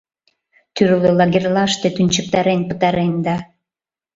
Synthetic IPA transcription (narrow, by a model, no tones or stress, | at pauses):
t̪yɾlølɑɣerlɑʃt̪et̪ynʲt͡ɕək̚t̪ɑɾenpət̪ɑɾend̪ɑ